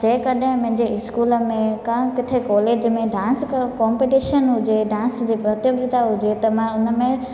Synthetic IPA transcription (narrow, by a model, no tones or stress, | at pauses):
d͡ʑẽːkɐɗɦɪ̃mɐ̃ɦɪ̃ɲd͡ʑeɪskuːləmẽkãkɪt̪ʰekɔːleːd͡ʑmẽɖãːnskɔːmpiʈiːʃənɦʊd͡ʑeɖãːnsd͡ʑiːpɾɐt̪joɡɾɪt̪aɦʊd͡ʑet̪ɐmãʊnəmẽ